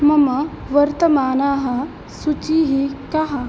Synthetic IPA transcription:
mɐmɐ | ʋɐɾt̪ɐmaːnaːɦɐ | sut͡ʃiːɦikɐɦɐ

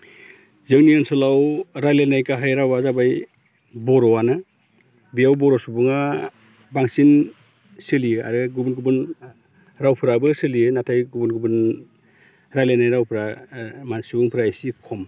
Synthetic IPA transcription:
zɯŋniɯnsɔlawɾajlenajkaɦajɾawazabaj | bɔɾɔwana | bijawbɔɾɔsubuŋa | baŋsin | sɯlijɯa̰ɾɯɡubunɡubɯn | ɾawpʰɯɾabɯsɯliɯnatʰajɡubunɡubɯn | ɾajlenajɾawpʰɾamansubuŋpʰɾajsikʰɔm

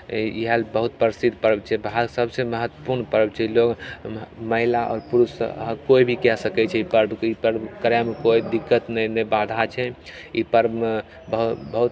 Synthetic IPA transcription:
iɦəlbəɦut̪̚pəɾəsid̪ʱpəɾbt͡ʃʰɛbʱasəbseməɦət̪ːwəpuɾnpəɾəbt͡ʃʰɛiloɡ | məɦilaʔɔ̰ːɾpuɾusɦkoibʱikɛsəkɛt͡ʃʰɛipəɾbʱkipəɾbkəɾamekoid̪ikːət̪nənəbad̪ʱat͡ʃʰɛipəɾb | bəɦbəɦut̪

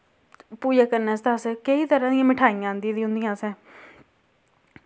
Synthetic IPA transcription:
puːd͡ʒaːkəɾnɛːst̪aːskəiːt̪əɾãːd̪ɪijãːmɪʈʰaːijãːnd̪ĩːd̪ĩːɦʊ̃nd̪ɪjãːsɛ̃ː

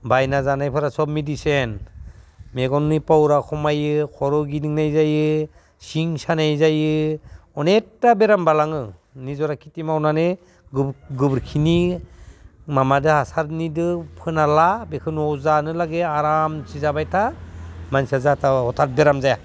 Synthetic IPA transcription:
bajnazanajpʰɯɾasɔb̚midisen | meɡɔnnipawɾakʰɔmajɯkʰɔɾɔɡidiŋnajzajɯ | siŋsanajzajɯɔnetːabeɾambalaŋɯnizɔɾakʰi̥timawnane | ɡɡɯbɾkʰini | mamadɯhasaɾnidɯpʰɯnalabekʰɯnɔwzanɯlaɡeaɾamt͡ʃizabajtʰamansazatʰahɔtʰat̚beɾamzaja

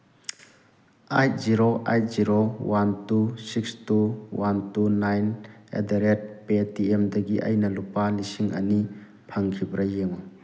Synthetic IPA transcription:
ajt̚ziɾoʔaj̚ziɾowantusikstuwantunajnḛdeɾet̚petiemdɐɡiʔɐ̰jnɐlupalisiŋʔɐ̰ni | pʰaŋkʰibɾɐjeŋu

